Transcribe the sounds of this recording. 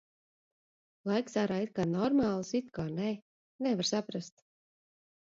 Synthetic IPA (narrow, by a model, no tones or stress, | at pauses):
lˠajksaɾait̪̚kaːnɔɾmaːlˠsit̪kaːnɛ | nɛvaɾsapɾast̪